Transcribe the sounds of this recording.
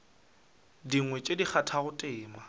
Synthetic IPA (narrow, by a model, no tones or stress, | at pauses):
diŋwɛt͡ʃʼedik͡xʰatʰaɣʊtʼɪːma